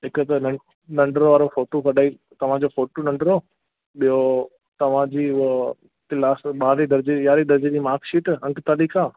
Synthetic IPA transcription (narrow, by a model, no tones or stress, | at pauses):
ɦɪkt̪ɐnɐ | nɐ̃ɳɖɾoʋaːɾofoːʈokɐɗaːi | t̪ɐʋ̤ãd͡ʑofoːʈonɐ̃ɳɖɾo | ɓijo | t̪ɐʋ̤ãd͡ʑiːʊ | t̪ɪlaːsɓaːɾid̪ɐɾd͡ʑeɪaːɾid̪ɐɾd͡ʑed͡ʑiːmaːɾkʃiːʈɐ̃ŋkt̪aːliːkaː